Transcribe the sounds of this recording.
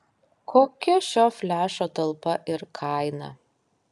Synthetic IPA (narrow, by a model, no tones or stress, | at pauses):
kʰoːkʲɛʃʲoːfʲlʲæːʃoːt̪ɐlˠpɐʔɪɾkʰɑˑɪnɐ̰